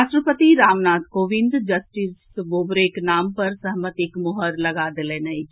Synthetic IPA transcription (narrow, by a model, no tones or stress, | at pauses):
asʈɾəpət̪iɾaːmnaːt̪koːʋɪ̃nd̪d͡ʒɐsʈis | boːbɾeknaːmpɐɾsɐɦmət̪ɪkmʊɦəɾlɐɡaːd̪ɪlenɐi